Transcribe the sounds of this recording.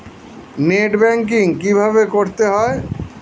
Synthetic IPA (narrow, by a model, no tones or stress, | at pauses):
neːʈbɛ̃ŋk̬ɪ̃ŋkibʱabekoɽt̪eɦɔe